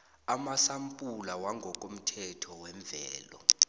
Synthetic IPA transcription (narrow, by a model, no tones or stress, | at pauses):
amasampʼulawaŋɡʱɔk̬ʼom̩tʰɛtʰɔwɛɱb̪vʱɛːlɔ̰